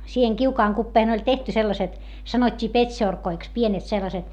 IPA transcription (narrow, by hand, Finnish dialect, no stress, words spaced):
siːheŋ kiukɑːŋ kupːeːh̆ĕn̆ olʲ tehty selːɑset sɑnotʲːiː petʲʃorkoiks pienet selːɑset